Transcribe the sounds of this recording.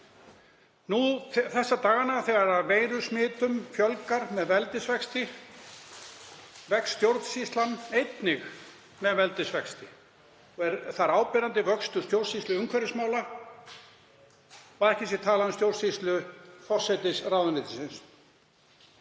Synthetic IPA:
nuθθɛsːat̪aːɣanaθɛːɣaɾaveːjɾʏsmɪːt̪ʏmfjœlkaɾmɛðvɛlt̪ɪsvɛkst̪ɪ | vɛksst̪jowɾt̪sist̪lanejt̪nɪx | mɛðvɛlt̪ɪsvɛkst̪ɪ | ɛɾθaɾaːwpɛɾant̪ɪvœkst̪ʏst̪jowɾsist̪lʏʏŋkʰvɛɾɪsmaːwla | aɾɛhcɪsjɛt̪ʰaːlaðʏmst̪jowɾsist̪lʏfɔ̥sɛt̪ɪsraːwðʏnɪːt̪ɪsɪns

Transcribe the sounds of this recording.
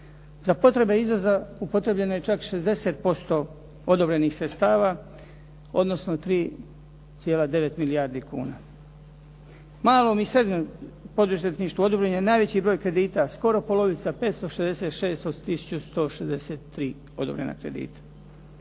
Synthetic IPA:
zapo̞t̪ɾe̞be̞izʋo̞zaupo̞t̪ɾe̞bʎe̞noje̞t͡ʃakʃe̞zd̪e̞se̞t̪̚po̞st̪o̞ | od̪obɾe̞nixsɾe̞t̪st̪aːʋa | o̰d̪no̞sno̞t̪ɾiː | t̪sjelad̪e̞ʋe̞t̪milijaɾd̪ikṵːna | maːlˠo̞ːmisɾe̞d̪ɲompo̞d̪uzet̪niʃt̪uo̞d̪obɾeɲenaːjʋe̞t͡ɕibɾo̞ːjkɾe̞d̪iːt̪asko̞ɾo̞po̞lo̞ʋit̪sape̞ːt̪st̪o̞ʃezd̪eset̪ʃe̞ːst̪ot̪isu̥t͡ɕust̪o̞ːʃezd̪e̞set̪ːɾiː | o̞̰d̪o̰bɾe̞̰na̰kɾe̞̰d̪ḭːt̪ḁ

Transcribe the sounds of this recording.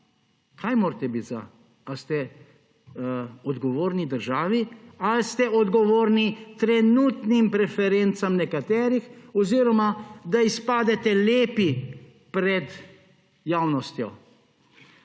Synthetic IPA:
kʰajmoːɾt̪ɛbit̪za̰ | ast̪ɛ | ɔd̪ɡɔʋoːɾnid̪əɾʒaːʋialst̪ɛɔd̪ɡɔʋoːɾnit̪ɾɛnuːt̪nimpɾɛfɛɾent̪samnɛkat̪ɛːɾixɔziːɾɔmad̪aispaːd̪ɛt̪ɛleːpi | pɾɛd̪ | jaːwnɔst̪jɔ

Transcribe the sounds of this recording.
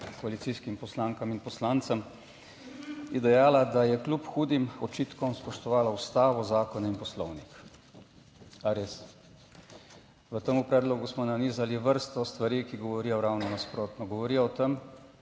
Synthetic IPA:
kɔalit̪siskimpɔslaːŋkaminpɔslaːnt̪səm | jɛd̪ɛjaːlad̪ajɛklupxuːd̪imɔt͡ʃiːt̪kɔmspɔʃt̪ɔʋaːlaust̪aːʋɔzaːkɔnainpɔslɔwnik | aɾeːs | ʋət̪əmupɾɛːd̪lɔɡusmɔnaniːzaliʋəɾst̪ɔst̪ʋaɾiːkiɡɔʋɔɾiːjɔwɾawnɔnaspɾoːt̪nɔɡɔʋɔɾiːjɔwt̪əm

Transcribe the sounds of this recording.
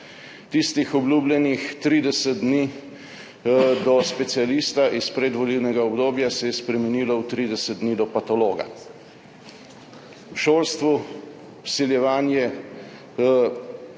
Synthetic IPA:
t̪ist̪ixɔbluːblʲɛnixt̪ɾiːd̪ɛsɛt̪̚d̪ni | d̪ɔspɛt̪sialist̪aʔispɾɛd̪ʋɔliwnɛɡaɔbd̪oːbjasɛjɛspɾɛmɛniːlɔwt̪ɾiːd̪ɛsɛd̪̚d̪niːd̪ɔpat̪ɔloːɡa̰ | ʃoːlst̪ʋu | wsiljɛʋaːnjɛ

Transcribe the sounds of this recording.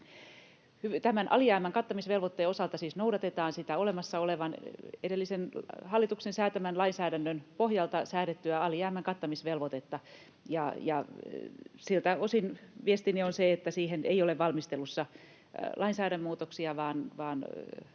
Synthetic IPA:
hyt̪æmænʔɑ̰liæːmæŋkɑt̪ːɑmisʋelʋot̪ːeosɑlt̪ɑsiːsnoudɑt̪et̪ɑːnsit̪æolemɑsːɑoleʋɑnedelːisenhɑlːit̪uksensæːt̪æmænlɑinsæːɾænːønpohjɑlt̪ɑsæːɾet̪ːyæɑliæːmæŋkɑt̪ːɑmisʋelʋot̪et̪ːɑ | jɑjɑ | silt̪æosinʋiest̪inionseet̪ːæsiːhenḛioleʋʋɑlmist̪elːusːɑ | lɑinsæːɾæmːmuːt̪oksiɑʋɑːnʋɑːn

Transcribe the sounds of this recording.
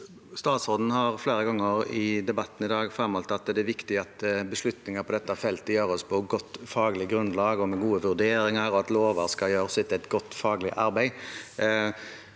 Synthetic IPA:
st̪ɑːt̪sʁoːd̪n̩hɑɾfleːɾəɡɑŋːəɾɪd̪ɛbɑt̪ːn̩ɪd̪ɑːɡfɾɛmɔlt̪ɑt̪d̪ɛʋɪkt̪ɪɑt̪bəslʉt̪nɪŋəpʰɔd̪ɛt̪ːɑfɛlt̪əjøːɾɔspʰɔɡɔt̪ːfɑːɡlɪɡɾʉnlɑːɡɔmɛɡuːəʋʉʁd̪eːɾɪŋəɾɔɑt̪loːʋɑɾskɑjøːɾsɪt̪ːɛt̪ɡɔt̪ːfɑːɡlɪʔɑɾbæɪ

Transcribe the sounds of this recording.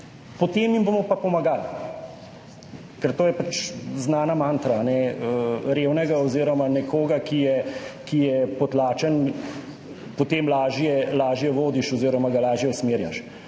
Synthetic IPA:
pɔt̪eːmimboːmɔpapɔmaɡal | kɛɾt̪oːjɛpat͡ʃznaːnamaːnt̪ɾaːnɛəɾeːwnɛɡaɔziːɾɔmanɛkoːɡakijɛkijɛpɔt̪laːt͡ʃən | pɔt̪eːmlaːʒjɛlaːʒjɛʋoːd̪iʃɔziːɾɔmaɡalaːʒjɛusmeːɾja̰ʃ

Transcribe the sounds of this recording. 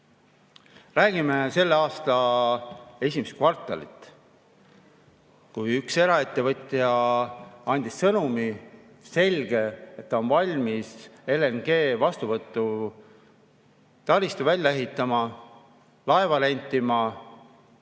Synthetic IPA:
ræːɡ̥imese̞lːeɑːst̪ɑ | e̞sʲimest̪̚kvɑrt̪ˑːɑ̰lḭt̪ːˑ | kujykse̞ɾɑe̞t̪ːe̞vɤt̪ʲːˑjɑ | ɑnʲd̪̥issɤnumi | se̞lʲɡ̥e̞et̪ːɑo̞nvɑlʲmise̞le̞nɡ̥e̞ːvɑst̪uvɤt̪ːˑu | t̪ɑlist̪uvælʲːɑe̞ɦit̪ːˑɑmɑ | lɑe̞vɑle̞nʲt̪ˑːimɑ

